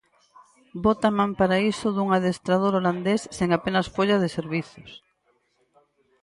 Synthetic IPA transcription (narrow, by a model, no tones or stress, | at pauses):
bot̪amãmpaɾaisʊðuŋaðest̪ɾað̞oɾoland̪esːeŋapenasfoʎaðeseɾβiθos